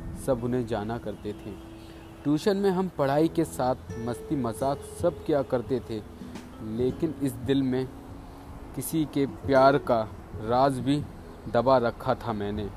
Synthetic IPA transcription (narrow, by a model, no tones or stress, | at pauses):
sɐbʊnẽd͡ʒaːnakɐɾt̪et̪ʰẽː | ʈuːʃənmẽɦɐmpɐɽ̤aːikesaːt̪̚ʰmɐst̪imɐzaːksɐb̚kijakɐɾt̪et̪ʰe | leːkɪnɪsd̪ɪlmẽ | kɪsikepjaːɾka | ɾaːzbʱi | d̪ɐbaɾɐkʰːat̪ʰamɛ̃ːneː